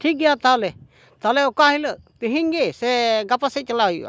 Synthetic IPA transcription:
ʈʰik̚ɡiat̪alɛ | t̪alɛukaɦiləʔt̪iɦiŋɡesɛɡapasɛt͡ʃəlaja̰

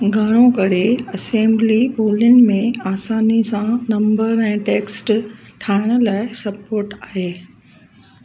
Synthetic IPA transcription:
ɡʱaːɾ̃õkɐɾeɐsẽːmbliboːlənɪ̆mẽaːsaːnisãnɐ̃mbəɾɛ̃ːʈeːksʈʈʰaːɪɽ̃ʊ̆laːɪɪsɐpoːɾʈaːɦeː

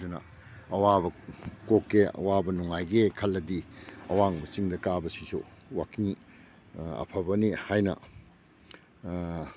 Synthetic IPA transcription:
unɐ̰ | ɐwabɐkokːeɐ̰wabɐnuŋajɡekʰɐlːɐdiɐwaŋbɐt͡ʃiŋdɐkabɐsisṵwakiŋ | ɐ̰pʰɐbɐnihajnɐ̰

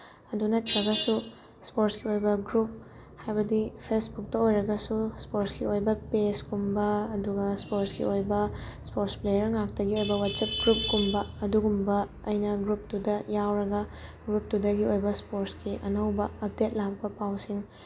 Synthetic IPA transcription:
ɐdunɐtɾɐɡɐsu | spoɾskiojbɐɡɾup̚ | hajbɐdipʰesbuk̚tɐojɾɐɡɐsuspoɾskiojbɐpeskumbɐːduɡɐspoɾskḭojbɐspoɾsplejɐɾŋak̚tɐɡiojbɐwatsɐp̚ɡɾup̚kumbɐɐduɡumbɐ | ɐjnɐɡɾup̚tudɐjawɾɐɡɐ | ɡɾup̚tudɐɡiojbɐspoɾskiʔɐnɐwbɐɐp̚det̚lak̚bɐpawsiŋ

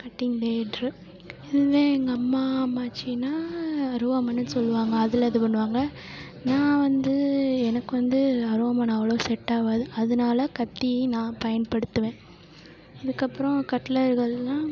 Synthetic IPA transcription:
kɐʈːɪŋɖeːɖɾɯ | ɪðɯʋeːŋɡɐɐmːaːmaːt͡ʃːinaːɐɾɯʋɐmɐnːɯsɔlːɯʋaːŋɡɐːðɪlɐðɯpɐɳːɯʋaːŋɡɐ | nãːʋɐnd̪ɯɛnɐkːɯʋɐnd̪ɯɐɾoɐmɐnɐʋːɐɭɐʋsɛʈːaːʋɐðɯɐðɐnaːlɐkɐt̪ːinãːpɐjɐnpɐɽɯt̪ːɯʋẽː | ɪðɯkːɐpːɯɾɔ̃kɐʈlɐɾɣɐɭːãː

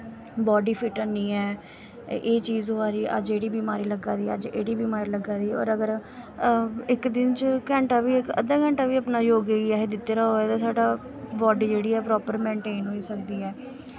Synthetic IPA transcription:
bɔːɖiːpʰɪʈəniːɛː | eːt͡ʃiːzɦoːaːɾiːʔə̰d͡ʒeːɽiːbiːmaːɾiːləɡaːd̪iːə̰d͡ʒḛːɽiːbiːmaːɾiːləɡaːd̪iːɔ̰ːɾəɡəɾ | ɪkd̪ɪnt͡ʃkɛ̃ːɳʈaːʋiːɪkə̰d̪aːkɛ̃ːɳʈaːʋiːəpnaːjoːɡeɡiaːɦeːd̪ɪt̪ːeːɾaːɦoːɛːt̪ãːsaːɖaː | bɔːɖiːd͡ʒeːɽiːɛːpɾɔːpəɾmɛ̃ːɳʈeːnɦoːiːsəkd̪iːɛː

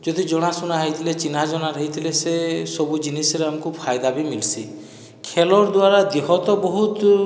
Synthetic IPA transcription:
d͡ʒɔd̪id͡ʒɔɽ̃asunaɦajt̪ʰilet͡ʃinad͡ʒɔɽ̃aɾəɦit̪ʰilesesɔbud͡ʒinisɔɾeamɔkupʰajd̪abimilsi | kʰelɔɾd̪waɾad̪iɦɔt̪ɔbɔɦut̪

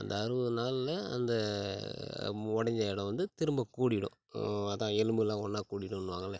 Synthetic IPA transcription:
ɐ̰nd̪ɐɐɾɯʋɯnaːlɪlɐɐ̰nd̪ɐ | ɔɽɐɲd͡ʒaɪɽɐ̃ʋɐnd̪ɯt̪ɪɾɯmbɐkuːɽɪɽʊ̰̃ | ɐðãːɛlɯmbɯlãːɔnːaːkuːɽɪɽʊ̃ɪnːɯʋãːŋɡɐlːɐ

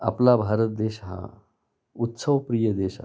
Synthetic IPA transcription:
a̰plabʱaɾət̪̚d̪eɕɦa̰ | ut̪səʋpɾijəd̪eɕa

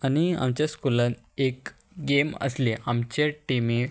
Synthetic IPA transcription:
añia̰mt͡ɕjaskulãn | ek | ɡemə̰sleamt͡ɕeʈime

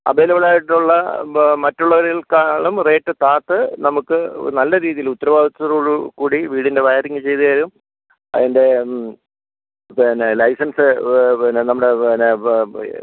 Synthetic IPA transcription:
ɐ̰beːlɐʋɐɭaːjiʈːuɭːɐmɐtːuɭːɐʋɐɾilkaːɭumre̞ːʈːɨt̪aːt̪ːɨnɐmukːɨnɐlːɐɾiːðijilut̪ːɐɾɐʋaːd̪it͡ɕːɐruːɭukuːɽiʋiːɽinde̞ʋɐjɾiŋːɨt͡ɕe̞jt̪ɐjɐɾum | ɐ̰ðinde̞ | nlɐjsɐnsɨnnɐmːɐɽe̞ne

